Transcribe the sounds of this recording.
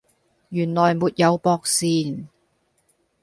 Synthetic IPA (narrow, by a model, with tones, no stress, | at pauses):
jyː˨˩nlɔː˨˩jmuː˨˧t̚jɐ˨˧wpɔː˨˧k̚siː˨˩n